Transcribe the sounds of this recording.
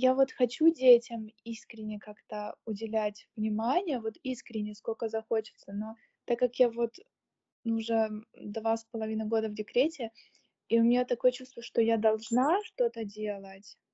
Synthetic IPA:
javo̞t̪xɐt͡ɕudʲetʲəmiskɾʲɪnʲːɪjkakt̪əʊdʲɪlʲætʲvnʲɪmanʲɪjəvo̞t̪iskɾʲɪnʲːɪjəsko̞lʲkəzɐxo̞t͡ɕɪ̥t̪səno̞ | t̪akːakjavo̞t̪ | nuʊʐɛd̪vaspəlˠɐvʲinəɡo̞d̪əvdʲɪkɾʲetʲɪ | iʊmʲnʲat̪ːɐko̞jət͡ɕust̪vəʂt̪o̞jad̪ɐlˠʐnaʂt̪o̞t̪ədʲelˠətʲ

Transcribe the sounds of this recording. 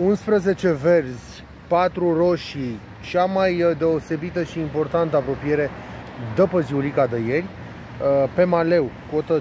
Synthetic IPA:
unspɾəze̞t͡ʃe̞ve̞rzʲ | pat̪ɾuro̞ʃi | t͡ʃamajd̪e̞o̞se̞bit̪əʃiːmpo̞rt̪ant̪əapɾo̞pije̞ɾe̞d̪əpəziulikad̪eje̞rʲ | pe̞male̞wko̞t̪ə

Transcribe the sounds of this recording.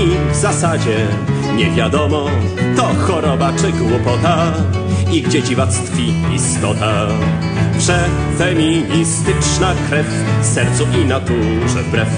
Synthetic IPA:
ivzasad͡ʑɛ | ɲɛvʲjad̪ɔmɔ | t̪ɔxɔɾɔbat͡ʂɘɡwupɔt̪a | iɡd͡ʑɛd͡ʑivat̪st̪fʲi | ḭst̪ɔt̪a | pʂɛ | fɛmʲiɲist̪ɘt͡ʂnakɾɛf | sɛɾt̪suʔinat̪u | ʐɛ̰bɾɛf

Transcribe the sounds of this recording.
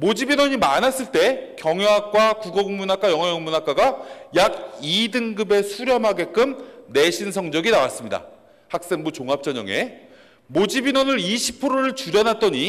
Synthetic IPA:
mod͡ʑibinwʌɲimanas͈ɯɭt͈e̞kjʌŋeak̚k͈wakuɡʌɡuŋmunak͈ajʌŋɦajʌŋmunak͈aɡajaɡidɯŋɡɯbe̞sʰuɾjʌmɦaɡe̞k͈ɯmne̞ɕʰinsʰʌŋd͡ʑʌɡinawas͈ɯmɲida̰ | hak̚s͈e̞ŋbut͡ɕoŋɦap̚t͡ɕ͈ʌɲʌŋḛ | mod͡ʑibinʌnɯɾiɕʰipʰɯɾoɾɯɭt͡ɕuɾjʌnat̚t͈ʌɲi

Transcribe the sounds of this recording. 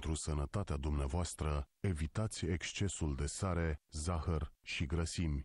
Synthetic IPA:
t̪ɾusənət̪at̪ead̪umneavoast̪ɾəe̞vit̪at̪sʲe̞kst͡ʃe̞suld̪e̞saɾe̞zaxərʃiɡɾəsimʲ

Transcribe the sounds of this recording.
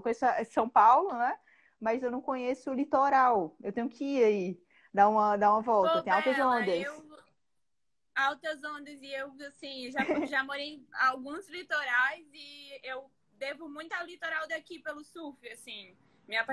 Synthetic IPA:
kõjesʊɐsɐ̃w̃pawlʊnɛ | mɐzewnɐ̃w̃kõɲesʊʊlit̪oɾawewt̪ẽɲʊkɪiɾai | d̪aũmɐd̪aũmɐvɔwt̪ɐt̪ẽj̃awt̪ɐzõnd̪ɐs | awt̪ɐzõnd̪ɐzɪewasĩʒaʒamoɾejawɡũzlit̪oɾajzɪew | d̪evʊmũj̃t̪ʊawlit̪oɾawd̪akipelʊsufiasĩ | mĩɐp

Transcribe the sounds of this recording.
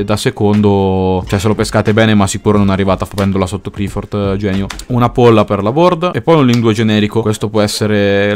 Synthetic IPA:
d̪asekond̪ot͡ʃoɛs̬ːelopeskaːt̪ebɛːnemasikuːɾononarːivaːt̪afat͡ʃɛnd̪olasot̪ːokɾifort̪d͡ʒɛːnjounapolːaperlabord̪aepːɔjunlːind̪ued͡ʒenɛːɾikokwest̪opwɔɛsːeɾe

